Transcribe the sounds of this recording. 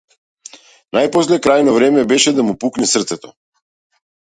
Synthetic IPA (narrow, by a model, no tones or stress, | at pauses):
najpɔs̬lɛkɾajnɔvɾɛmɛbɛʃɛd̪amupuknɛsr̩t̪sɛt̪ɔ